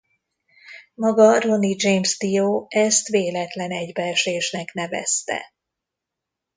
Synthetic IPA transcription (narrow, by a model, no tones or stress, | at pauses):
mɒɡɒro̞nid͡ʒejmst̪ijoːɛst̪ʋeːlɛt̪lɛnɛɟbɛrʃeːʃnɛknɛvɛ̰st̪ɛ̰